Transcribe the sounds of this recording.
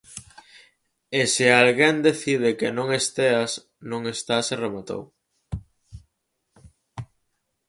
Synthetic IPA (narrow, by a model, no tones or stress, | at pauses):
esɪalɣend̪eθið̞ɪkenõŋest̪eas | nõŋest̪aseremat̪o̰w